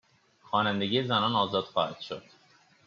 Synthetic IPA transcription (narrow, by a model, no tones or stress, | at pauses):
xɒːnænd̪e̞ɡiːe̞zænɒːnɒːzɒːd̪̥xɒːhæd̪̥ʃo̰d̪̥